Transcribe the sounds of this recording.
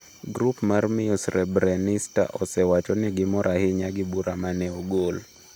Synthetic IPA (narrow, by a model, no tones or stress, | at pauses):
ɡɾupmarmiosrɛbɾanista̰ʔɔsɛwat͡ʃɔnɪɡɪmɔɾʔahɪɲaɡɪbuɾamanɛoɡol